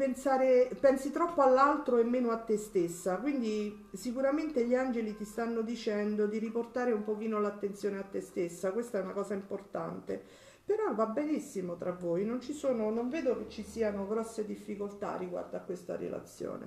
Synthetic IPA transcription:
pensaːɾepɛnsit̪ɾɔpːoalːalt̪ɾoemːeːnoat̪ːest̪esːakwind̪i | sikuɾament̪eʎiand͡ʒelit̪ist̪anːod̪it͡ʃɛnd̪od̪iɾiport̪aːɾeumpok̟iːnolat̪ːent̪sjoːneat̪ːest̪esːakwest̪aɛunakɔːzaimport̪a̰nt̪e | peɾɔvabenisːimot̪ɾavːoːjnont͡ʃisoːnonoɱveːd̪oket͡ʃːisiːanoɡɾɔsːed̪ifːikolt̪a̰rːiɡwa̰rd̪oakːwest̪a̰ɾḛla̰t̪sːjo̰ːnḛ

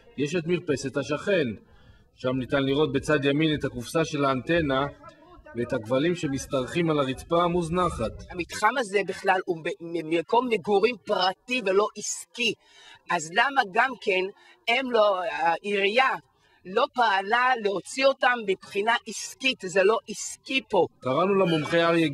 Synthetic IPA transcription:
jeʃet̪miʁpe̞se̞thaʃaχe̞n | ʃamnitanliʁo̞t̪̚be̞t͡sad̪jaminethakufsaʃe̞laːnt̪e̞na | veethaɡvalimʃemist̪aʁχimalaʁitpamuznaχathamit̪χamaze̞biχlalubememeko̞mːeɡuʁimpʁativelo̞ʔiski | azlamaɡamke̞n | emloaʔiʁija | lo̞paːlaleo̞t͡sio̞tamːipχinaʔiskitzelo̞ʔiskipo̞kaʁanulamomχeaʁje

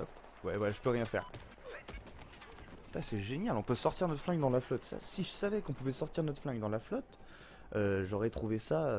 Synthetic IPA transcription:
wɛ̰wɛʒəpøʁjɛ̃fɛ̰ʁ | wɛ | t̪asɛʒenjalɔ̃pøsɔʁt̪iʁnɔt̪flɛ̃ɡd̪ɑ̃laflɔt̪sa̰siʒəsavɛkɔ̃puvɛsɔʁt̪iʁd̪ənɔt̪flɛ̃ɡd̪ɑ̃laflɔt̪ | øʒɔʁɛt̪χuvesaø

